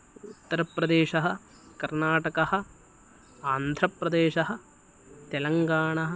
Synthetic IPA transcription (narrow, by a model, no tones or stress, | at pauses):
ut̪ːɐɾɐpɾɐd̪eːʃɐɦɐ̆ | kɐɾnaːʈɐkɐhɐ̆ | aːnd̪ʱɾɐpɾɐd̪eːʃɐɦɐ̆ | t̪ɛlɐŋɡaːɳɐɦɐ